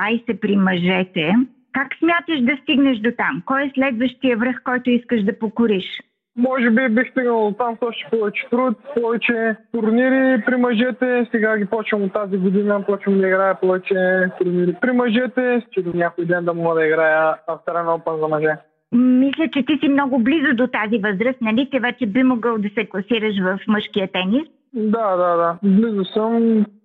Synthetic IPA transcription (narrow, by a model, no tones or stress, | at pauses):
aisɛpɾimɐʒɛt̪ɛ | kaksmʲat̪əʃd̪ɐst̪iɡnɐʃd̪ot̪amkɔjɛslɛd̪vəʃt̪ijəvɾəxkɔjt̪ʊiskəʃd̪ɐpokʊɾiʃ | mɔʒɛbibixst̪iɡnɐlˠot̪amsɔʃt̪ɛ̥pɔvɛt͡ʃɛ̥t̪ɾut̪pɔvɛt͡ʃɛt̪ʊɾniɾipɾimɐʒɛt̪ɛsɛɡaɡʲipɔt͡ʃvɐmot̪ːaziɡʊd̪inɐpɔt͡ʃvɐmd̪ɐiɡɾajɐpɔvɛt͡ʃɛt̪uɾniɾipɾimɐʒɛt̪ɛt͡ʃɛd̪onʲjakʊjd̪ɛnd̪ɐmɔɡəd̪ɐiɡɾajəɐft̪ɐɾɛnɔpənzɐmɐʒɛ | mislʲət͡ʃɛt̪isimnɔɡʊblizʊd̪ot̪azivəzɾəst̪nɐlit̪ivɛt͡ʃɛbimoɡəlˠd̪ɐsɛklˠɐsiɾəʃ̬vɐfməʃkiət̪ɛnis | d̪ad̪ad̪ablizʊsəm